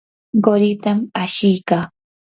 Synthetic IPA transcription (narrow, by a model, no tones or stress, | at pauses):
ɢoɾɪt̪amaʃɪjkaː